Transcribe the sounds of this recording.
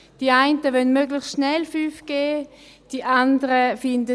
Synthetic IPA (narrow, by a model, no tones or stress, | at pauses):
d̥iaɪntəʋœnmøɡləxstʃnɛlfyːfɡ̥eːd̥iʔandəʁəfɪndə